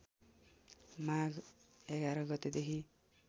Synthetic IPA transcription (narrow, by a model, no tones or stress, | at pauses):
maɡeɡaɾɔɡɔt̪ed̪eki